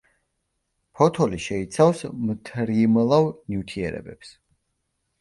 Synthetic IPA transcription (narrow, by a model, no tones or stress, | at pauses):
pʰɔt̪ʰɔliʃɛit̪sʰawsmt̪ʰɾimlˠavniwt̪ʰiɛ̰ɾɛ̰bɛps